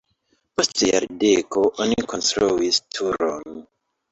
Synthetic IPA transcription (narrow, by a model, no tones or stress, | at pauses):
postja̰ɾdekoʔonikonstɾuistʰuɾon